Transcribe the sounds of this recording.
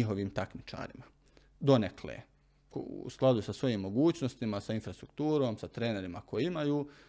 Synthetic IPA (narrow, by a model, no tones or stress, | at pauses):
iɦo̞ʋiːmt̪akmit͡ʃa̰ːɾḭma | d̪o̞neklḛː | kṵsklˠad̪usasʋo̞jiːmːo̞ɡuːt͡ʃnost̪imasainfɾast̪ɾukt̪uːɾo̞ːmsat̪ɾe̞ːne̞ɾimako̞jiimajuː